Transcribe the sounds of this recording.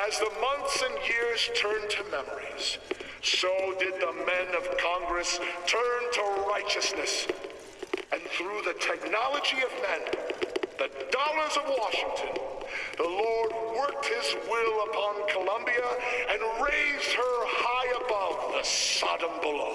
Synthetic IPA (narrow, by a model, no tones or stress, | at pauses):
ɨzðəmʌ̃nθsɨ̃njɪɹz̥tʰɜ̃˞ntʰɨmɛmə˞iz̥ | soʊdɨd̪̚ðəmɛ̃nʌv̥kʰɑ̃ŋɡɹɨstʰɜ̃˞ntʰəɹaɪt͡ʃɨsnɨs | ɨ̃nθɹuðɨtʰɛk̚nɑlˠəd͡ʒiʌvðɨ̃nðɨdɔlˠə˞zʌvwɑʃɪ̃ŋtʰɨ̃nðəlɔɹd̚wɜ˞k̚t̚hɪzwɪlˠəpʰɑ̃nkʰəlʌ̃mbiɨɨ̃nɹeɪz̥̚hə˞haɪɨbʌvðəsɑɾə̃mbəloʊ